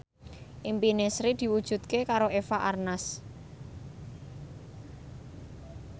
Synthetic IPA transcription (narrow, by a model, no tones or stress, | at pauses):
ʔimpinesɾid̪̥i̤wud̥ʒ̥ṳt̪̚kekaɾoʔefaʔarnas